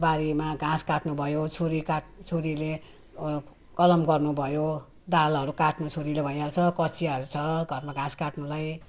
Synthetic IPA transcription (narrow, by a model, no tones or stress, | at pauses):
baɾimaɡãskaʈnubʱʌjot͡sʰoɾikat͡sʰoɾile | kʌlʌmɡʌrnubʱʌjo | d̪alɦʌɾukaʈnut͡sʰoɾilebʱʌjalt͡sʰʌkʌt͡sʰiʌɾut͡sʰʌɡʱʌrmaɡãskaʈnulaj